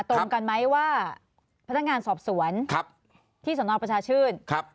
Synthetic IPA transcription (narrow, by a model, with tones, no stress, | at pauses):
t̪o˧ŋka˧nma˦˥jwaː˥˩ | pʰa˧˥n˦˥k̚ŋaː˧nsɔː˨˩p̚su˨˩˦ənkʰp̚ | t̪ʰiː˥˩su˩˦nɔː˧˩pɾa˧t͡ɕʰaː˧t͡ɕʰɯː˥˩n̚k̚ʰ